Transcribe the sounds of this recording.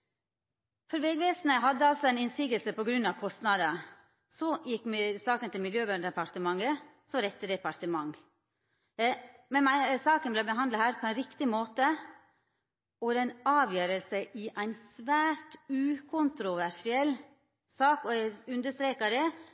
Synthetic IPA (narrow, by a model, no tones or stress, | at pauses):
fɔɾʋɛɡʋeːsnəɦɑd̪ːəɑlsɔæɪnɪnsiːɡəlsəpɔɡɾʉnːɑʋkʰɔst̪nɑd̪ə | sɔjɪkːmsɑːkənt̪ɪlmɪljøːbd̪ɛpɑɾt̪əmɑŋːə | sɔɾɛt̪ːəd̪ɛpɑɾʈ̪əmɑŋ | mɛnmæsɑːkənblɛbəɦɑnd̪ləhæːɾpʰɔɛnɾɪkt̪ɪmoːt̪ə | ɔd̪ɛnɑːʋjøːɾəlsəʔɪʔæɪnsʋæːɾtʉːkʰʊnt̪ɾʊʋæɾʂɪɛl | sɑːkɔɛʉnd̪əʂt̪ɾeːkɑd̪ɛ